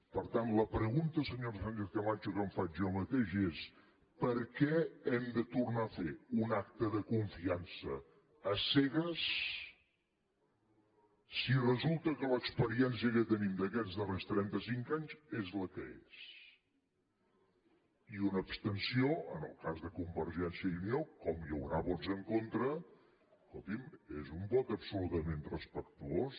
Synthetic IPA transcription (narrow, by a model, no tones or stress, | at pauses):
pəɾt̪anləpɾəɣunt̪əsəɲoɾsfanʲt͡ʃeθkəmat͡ʃukəɱfad͡ʒɔmət̪eʃes | pəɾkɛɛmd̪ət̪urnafeunak̚t̪əðəkuɱfiansə̰ː | sɛɣəs | sirəzulˠt̪əkələkspəɾiɛns̬iəkət̪ənimd̪əkɛd͡zðərest̪ɾɛnt̪əsiŋkaɲzezləkəḛs | iunəːpst̪ənsioə̰nə̰lˠkazðəkumbəɾʒɛnsijəʎuniokɔmjə̰wɾaβɔnzəŋkont̪ɾə | skolˠt̪imezumbɔt̪əpsulut̪əmenrəspək̚t̪uos